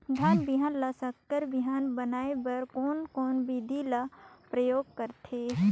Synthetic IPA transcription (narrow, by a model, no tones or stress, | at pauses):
d̪ʱjaːnbiɦaːnlɐsɐkːəɾbiɦaːnbənaːebɐɾkoːnkoːnbid̪ʱilapɾəjoːɡ̚kəɾt̪ʰeː